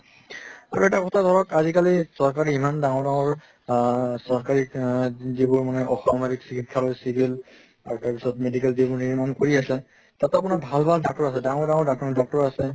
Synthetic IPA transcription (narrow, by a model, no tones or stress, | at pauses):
aɹuɛtakʰɔtʰadʱɔɹɔkazikalisɔɹkaɹiimandaŋɔɹdaŋɔɹ | sɔɹkaɹikzibʊɹmanɛʔɔxɔmaɾiksikʰit̚kʰalojsibʱil | aɹutaɹpisɔtmedikɛlzibʊɹnimankoɹiasɛ | tatapʊnabʱalbʱaldak̚tɔɹasɛdaŋɔɹdaŋɔɹdak̚ɔdɔk̚tɔɹasɛ